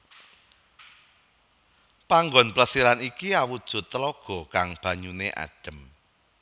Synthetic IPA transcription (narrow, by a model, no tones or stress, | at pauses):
paŋɡɔnpləsiɾanikiawud̥ʒ̥ʊ̤t̪ːəlɔɡ̥ɔ̤kaŋb̥ä̤ɲunḛʔa̰ɖ̥ə̤m